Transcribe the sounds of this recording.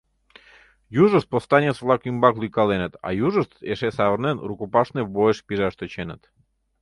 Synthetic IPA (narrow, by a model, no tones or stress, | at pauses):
juʒost̪̚post̪anʲesvlˠakimbaklˠuikalˠenet̪a̰juʒəst̪eʃɛsaʋrnɛnɾukopaʃnɛvboeʃpiʒaʃt̪ɔt͡ɕenɛt̪